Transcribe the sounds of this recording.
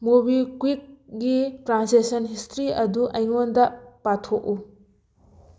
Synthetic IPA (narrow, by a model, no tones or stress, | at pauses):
mobikwik̚ɡitɾansesɐnɦistɾiɐduʔɐjŋondɐpatʰoʔu